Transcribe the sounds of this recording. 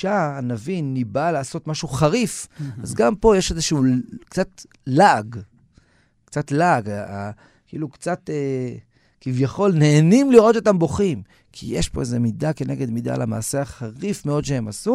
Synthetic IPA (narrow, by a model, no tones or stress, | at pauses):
ʃaːnavinːibalaːso̞t̪maʃuχaʁifazɡampo̞jeʃezeʃuːkt͡sat̪ | laɡ | kt͡satlaɡaa | kiilukt͡sat̪e | kivjaχo̞lne̞ːnimliʁo̞t̪ot̪ambo̞χim | kʰḭjeʃpo̞̰e̞zemidake̞ne̞ɡe̞d̪mid̪a̰lama̰ːseaχaʁifmeo̞d̪ʃehemasu